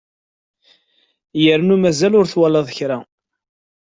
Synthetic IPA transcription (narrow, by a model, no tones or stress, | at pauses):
jəɾnumæzælʊɾθwɑlɑðˤəçɾa